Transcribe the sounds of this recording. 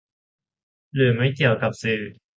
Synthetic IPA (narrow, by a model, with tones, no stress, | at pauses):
lɯː˨˩ma˥˩jki˨˩əwka˨˩p̚sɯː˨˩